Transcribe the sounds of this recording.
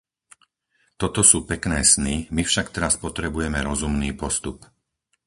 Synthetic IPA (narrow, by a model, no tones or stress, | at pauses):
t̪ɔt̪ɔsuːpɛknɛːsnimifʃakt̪ɛɾaspɔt̪ɾɛbujɛmɛɾɔzumniːpɔst̪up